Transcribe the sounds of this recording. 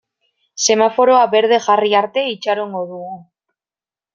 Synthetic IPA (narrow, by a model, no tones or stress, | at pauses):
se̞mafo̞ɾo̞aβe̞ɾð̞e̞ʝariaɾt̪e̞it͡ʃaɾoŋɡo̞ðuɣu